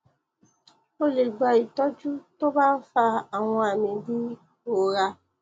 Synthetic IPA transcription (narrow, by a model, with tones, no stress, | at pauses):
o˦le˨ɡ͡ba˨i˨tɔ˦d͡ʒu˦to˦ba˦n̩˦fa˦a˨ŋɔ̃˦a˨mĩ˨di˦ | o˨ɾa˦